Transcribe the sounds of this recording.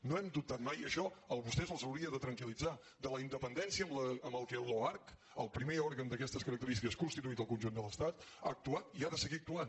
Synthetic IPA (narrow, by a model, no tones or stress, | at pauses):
noɛmd̪up̚t̪at̪majəʃɔəlˠβust̪ɛzəlˠzəwɾiəðət̪ɾəŋkilid͡za | d̪ələind̪əpənd̪ɛnsiəmləəmbəlˠkɛloaɾk | əlˠpɾimeɔɾɣənd̪əkɛst̪əskəɾək̚t̪əɾist̪ikəskunst̪it̪uit̪əlˠkunʲʒund̪ələst̪at̪a̰ːk̚t̪uat̪iaðəsəɣiək̚t̪uan